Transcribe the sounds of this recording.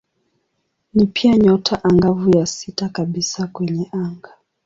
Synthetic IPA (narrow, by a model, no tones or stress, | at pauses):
nipʰiaɲɔtʰaʔaŋɡavujasitakaɓisakwɛɲɛʔaŋɡa